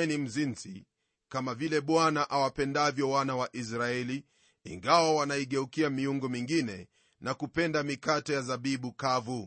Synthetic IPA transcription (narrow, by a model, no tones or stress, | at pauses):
nim̩zinzḭ | kamavilɛɓwanaʔawapɛndavjɔwanawaʔis̬ɾaɛli | ḭŋɡawawanaiɠɛukiamiuŋɡɔmiŋɡinɛ | nakupɛndamikatɔjazaɓiɓukavu